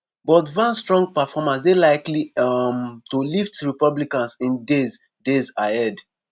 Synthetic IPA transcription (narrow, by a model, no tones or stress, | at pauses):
bɔtvãnstɹɔ̃ŋɡ̚pafɔmãns̬delaɪklimtoliftɹipɔblikãnsĩndez | dezahɛd